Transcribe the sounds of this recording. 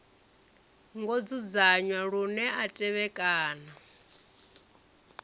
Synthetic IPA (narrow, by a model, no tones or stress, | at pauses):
ŋɡod͡zud͡zaɲwaɺunɛatʼɛβɛkʼaːna